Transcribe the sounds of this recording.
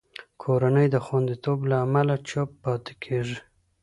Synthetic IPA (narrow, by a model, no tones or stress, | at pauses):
kʰoɾanəjd̪əxwand̪it̪oblaːmalat͡ʃopːɑt̪e̥kʰeʐi